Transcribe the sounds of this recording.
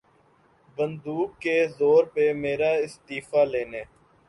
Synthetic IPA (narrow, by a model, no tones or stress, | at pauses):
bənd̪uːkːeːzoːɾpeːmeːɾaːɪst̪iːfaːleːneː